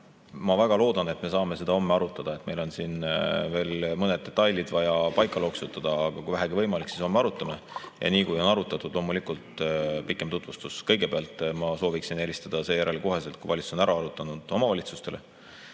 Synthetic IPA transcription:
mɑvæɡ̥ɑlo̞ːd̪̥ɑne̞t̪me̞sɑːme̞se̞d̪ɑo̞mːeɑɾut̪ːˑɑd̪̥ɑe̞t̪ːˑme̞jlo̞nsinve̞ːlmɤne̞d̪̚e̞t̪ːˑɑjlid̪̥vɑjɑpɑjkːˑɑlo̞ksut̪ːˑɑd̪̥ɑːɡ̥ɑkujvæɦæɡ̥ivɤjmɑliksi̥so̞mːeɑɾut̪ːˑɑmejʔɑ̰niːkujo̞nɑɾut̪ːˑɑt̪ːˑud̪̥lo̞ːmulikult̪pikːˑemt̪ut̪vust̪uskɤ̞jɡ̥e̞peɑlt̪ːˑmɑso̞ːviksine̞lʲist̪ɑd̪̥ɑse̞ːjæɾeliko̞ɦe̞se̞lt̪̚kujvɑlʲit̪su̥so̞næɾɑɑɾut̪ːˑɑnud̪̥o̞mɑvɑlʲit̪sust̪e̞le

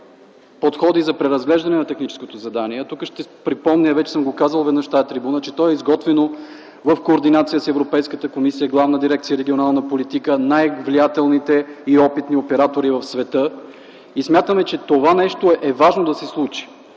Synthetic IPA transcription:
pot̪xɔd̪izɐpɾɛɾɐzɡlɛʒd̪ɐnɛnɐt̪ɛxnit͡ʃɛ̥skot̪ozɐd̪aniɛt̪ukəʃt̪ɛpɾipɔmnʲəvɛt͡ʃɛ̥səmɡokazəlˠvɛd̪nəʃt̪ajɛt̪ɾibunət͡ʃɛt̪ɔɛizɡɔt̪vɛno | vəfkoːɾd̪inat̪sijəsɛvɾopɛjskət̪əkomisijəɡlˠavnəd̪iɾɛk̚t̪sijəɾɛɡʲionalˠnəpolit̪ikənajvlijat̪ɛlˠnit̪ɛiɔpit̪niopɛɾat̪oɾivɐfsvɛt̪ɤ | ismjat̪əmɛt͡ʃɛt̪ovanɛʃt̪oɛʔɛvaʒnod̪ɐsɛslˠut͡ʃi̥

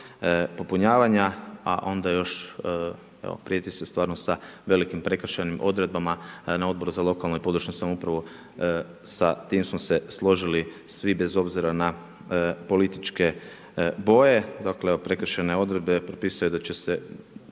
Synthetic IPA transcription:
po̞puɲaːʋaɲaa̰ʔo̞nd̪ajo̞ʃ | ḛo̰pɾijet̪isest̪ʋaːɾnosaʋe̞likimpɾe̞k̩ʃenimʔo̞̰d̪ɾe̞d̪̚bamanao̞d̪̚bo̞ɾuzalˠo̞kalˠnojpo̞d̪ɾuʃɲosamoupɾaʋo | sat̪imsmose̞slˠo̞ʒilisʋibe̞zo̞bziɾana | po̞lit̪it͡ʃke̞ | bo̞je̞d̪akleeopɾe̞kɾ̩ʃane̞o̞d̪ɾe̞d̪̚be̞pɾopiːsajud̪at͡ɕese

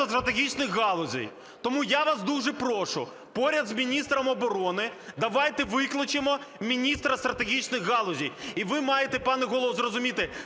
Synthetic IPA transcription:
ɐst̪ɾɐt̪eɦʲit͡ʃnɪxɣɑlˠɔzʲḭj | t̪ɔmujaʋɑsd̪uʒɛpɾɔʃʊ̰ | pɔɾʲɐd̪zmʲinʲist̪ɾɐmɔbɔɾɔnɪd̪ɐʋɑjt̪ɛʋɪklˠɐt͡ʃɪmɔmʲinʲist̪ɾɐst̪ɾɐt̪eɦʲit͡ʃnɪxːɑlˠɔzʲijiʋɪmɑjet̪ɛpɑnɛɦɔlˠɔʋzrɔzʊmʲit̪ɪ

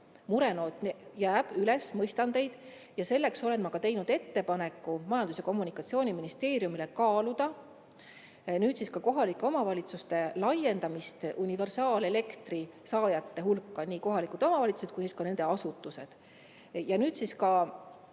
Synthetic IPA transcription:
muɾe̞no̞ːt̪jæːb̥yle̞smɤjst̪ɑnd̪e̞jd̪̥ | jɑse̞lːe̞kso̞le̞nmɑkɑt̪e̞jnud̪̥e̞t̪ːe̞pɑne̞kːumɑjɑnd̪̥useko̞mːunikːˑɑt̪sio̞ːnʲiminist̪e̞ːɾjumile̞kɑːlud̪̥ɑ | nyːd̪siskɑko̞ɦɑlikːˑeo̞mɑvɑlʲit̪sust̪e̞lɑje̞nd̪̥ɑmist̪unive̞rsɑːle̞le̞kt̪risɑːjɑt̪ːe̞ɦulkːɑniːko̞ɦɑlikˑud̪o̞mɑvɑlʲit̪suset̪kujniskɑne̞nd̪̥e̞ɑsut̪ːˑuse̞d̪̥ | jɑnyːd̪̥siskɑ

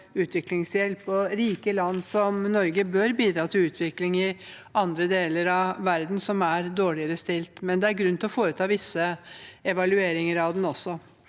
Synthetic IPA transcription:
ʉːt̪ʋɪklɪŋsjɛlpɔɾiːkəlɑnːsɔmnɔɾɡəbøɾbiːd̪ɾɑːt̪ʰɪlʉːt̪ʰʋɪklɪŋɪ | ɑnd̪ɾəd̪eːləɾɑʋæɾd̪n̩sɔmæɾd̪oːɭɪəɾəst̪ɪlt̪mɛnd̪ɛæɾɡɾʉnt̪ɪlɔfoːɾət̪ʰɑːʋɪsːəɛʋɑlʉeːɾɪŋəɾɑd̪n̩ɔsːɔ

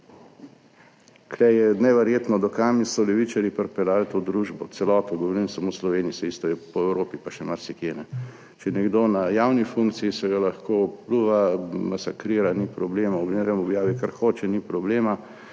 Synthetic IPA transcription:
kʰɾɛjɛnɛʋɛɾjeːt̪nɔd̪ɔkamisɔlɛʋit͡ʃaɾjipɛɾpɛlaːlt̪od̪ɾuːʒbɔt̪sɛlɔːt̪ɔɡɔʋoɾimsamoslɔʋeːnijisɛist̪ɔɛpɔɛwɾoːpipaʃɛmaɾsikjenɛ | t͡ʃɛnɛɡd̪oːnajawnifuŋkt̪siisɛɡalaxkopluʋamasakɾiːɾanipɾɔbleːmaɔɡneɾɛmɔbjaːʋikaɾxoːt͡ʃɛnipɾɔbleːma

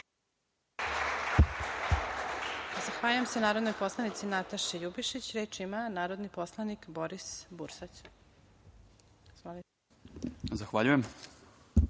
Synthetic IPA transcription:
zaxʋaːʎujemsenaːɾo̞d̪nojpo̞slˠanit̪sinat̪aʃejubiʃit͡ɕɾeːt͡ʃimanaːɾo̞d̪nipo̞slˠanikboɾisbuɾsat͡ɕ | ali | zaxʋaʎujem

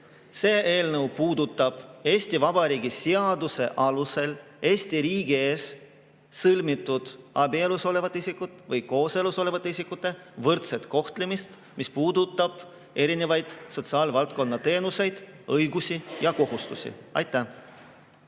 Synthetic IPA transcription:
se̞ːʔe̞ːlnɤwpuːd̪ut̪ːˑɑb̥e̞ːst̪ivɑb̥ɑɾiːɡisiɑd̪use̞ʔɑluse̞l | e̞ːsʲt̪iɾiːɡ̥ie̞ːsː | ɤlmit̪ːˑud̪̥ɑbieluso̞le̞vɑt̪ːˑeisikːˑut̪ːˑvɤjko̞ːseluso̞le̞vɑt̪ːˑeisikːˑut̪ːˑe̞ | vɤrt̪se̞t̪ko̞ht̪lemist̪ | mispuːd̪ut̪ːˑɑb̥ | e̞ɾine̞vɑjd̪̥so̞t̪siɑːlvɑlt̪̚ko̞nːɑt̪e̞ːnuse̞jd̪̥ɤjɡusijɑko̞hust̪usʲḭɑ̰jt̪ːˑæ

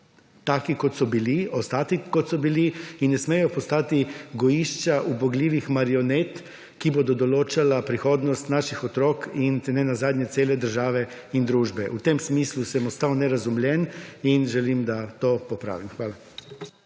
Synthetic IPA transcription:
t̪aːkikɔt̪sɔbiliɔst̪aːt̪ikot̪sɔbiliinːɛsmɛjɔpɔst̪aːt̪iɡɔjiʃt͡ʃaʔubɔɡlʲiːʋixmaɾionet̪ | kibod̪ɔd̪ɔloːt͡ʃalapɾixoːd̪nɔst̪naːʃixɔt̪ɾoːkint̪ɛnɛnazaːd̪ɲɛt̪eːlɛd̪əɾʒaːʋɛ | ind̪ɾuːʒbɛʔut̪emsmiːslusɛmɔst̪awnɛɾazumlʲjɛninʒɛlimd̪at̪oːpɔpɾa̰ːʋimxʋaːla

